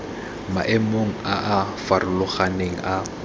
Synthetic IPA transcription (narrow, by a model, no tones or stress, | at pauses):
maʔemoŋ̩aʔafarʊlʊχaneŋ̩ʔa